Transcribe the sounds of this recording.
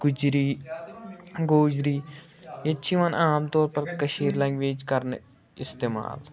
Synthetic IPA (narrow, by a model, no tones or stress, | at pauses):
ɡʊd͡ʒɾiː | ɡoːd͡ʒɾiːjɐʃʰiʋanʔaːmt̪ɔːɾpɐɾkɐʃiːɾlɐ̃ŋɡʋeːd͡ʒkɐɾn | ɪst̪eːma̰ːl